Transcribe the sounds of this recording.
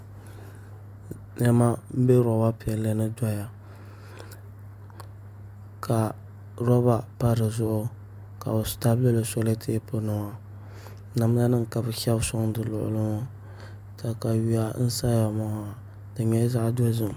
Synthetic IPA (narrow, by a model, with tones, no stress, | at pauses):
nɛ˦ma˦m̩˦bɛ˦ɾɔ˨ba˦pi˨ɛ˨la˦nɨ˦da˦ja˨ | kʰa˨ | ɾɔ˦ba˨pa˦ɾɨ˨zʊ˦ʔʊ˦ | ka̰˨bɨ˨sta˦blɨ˦lɨ˨so˦le˦tʰe˦po˦nɨ˨ma˦ | na˨m˦la˦nɨ˦ŋ˨ka˨bɨ˨kɛ˦bsʊ˦ŋ˦dɨ˨lʊ̰˨ʔʊ̰˨lɨ˦mo˦ | ta˨ka˨ɥi˦ja˦n̩˦sa˦a˨mɔ˦ha˨ | dɨ˨ɲɛ˦za˦ʔdɔ˦zɨ˨m˨